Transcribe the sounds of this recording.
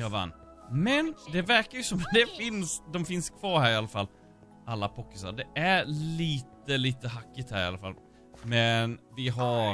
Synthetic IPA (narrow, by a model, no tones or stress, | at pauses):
jɑːva̰nː | mɛnd̪ɛvæɾkaɾjɵsɔmd̪ɛfɪnsd̪ɔmfɪnskʰv̥ɑːɾhæːɾɪalːafalː | alːapʰɔkːɪsa̰d̪ɛæɾliːt̪əliːt̪əɦakːɪt̪hæːɾɪ̰a̰lːafa̰l | mɛnvɪɦa